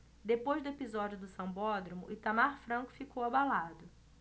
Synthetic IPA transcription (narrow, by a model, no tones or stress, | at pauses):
d̪epojzd̪ʊepizɔd͡ʒʊd̪ʊsɐ̃w̃bɔd̪ɾomʊʔʊt̪amaɾfɾɐ̃kʊ̥fikowabalad̪ʊ